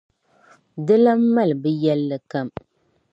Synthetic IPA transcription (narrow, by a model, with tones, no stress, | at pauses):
dɨ˦la˦m̩˦ma˦lbɨ˦jɛ˦lːɨ˨ka˨m